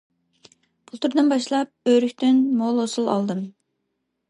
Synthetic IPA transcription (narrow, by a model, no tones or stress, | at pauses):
b̥ulˠt̪ʰuɾd̪ɨnbɑʃlˠɑp̚øɾykʲt̪ɪnmolˠhosulˠɑ̰lˠd̪ɨm